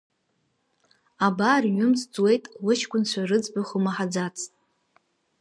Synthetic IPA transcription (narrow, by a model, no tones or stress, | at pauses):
abaːrɥʊmsd͡zwe̞jtʼwʊt͡ʃʰkʷʼʊnt͡ɕʷʰarɨd͡zbaχʷʊmaħad͡zat͡sʰʼtʼ